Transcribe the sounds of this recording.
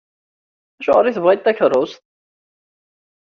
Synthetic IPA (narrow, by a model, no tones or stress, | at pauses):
æʃʊʁəɾiθvʁit̪ːæçəɾˤʊst̪